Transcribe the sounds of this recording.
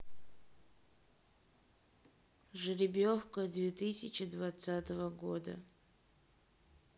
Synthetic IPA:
ʐɨɾʲɪbʲofkəd̪vʲet̪ɨsʲɪt͡ɕɪd̪vat̪sat̪əvəɡod̪ə̰

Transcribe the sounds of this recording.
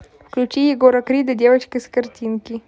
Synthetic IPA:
fklut͡ʃijeɡoɾakɾid̪əd̪ewat͡ʃkəskəɾt̪inki

